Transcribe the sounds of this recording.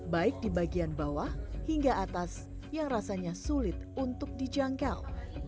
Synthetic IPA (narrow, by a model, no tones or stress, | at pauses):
baɪk̚dibaɡianbawahhiŋɡaat̪as | jaŋrasaɲasulɪt̪̚unt̪ʊk̚did͡ʒaŋkal